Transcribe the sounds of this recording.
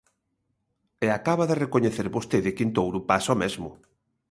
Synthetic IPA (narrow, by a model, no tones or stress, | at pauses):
eakaβaðerekoɲeθeɾβost̪eðɪkint̪owɾupasɔmɛzmʊ